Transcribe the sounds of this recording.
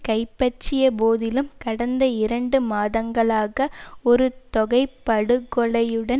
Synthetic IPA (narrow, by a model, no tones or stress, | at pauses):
kɐɪpːɐt͡ʃːɪjɐpoːðɪlɯmkɐɽɐnd̪ɐɪɾɐɳɖɯmaːðɐŋɡɐɭaːɣɐɔɾɯt̪ɔɣɐɪpːɐɽɯkːɔɭɐjɯɽɐ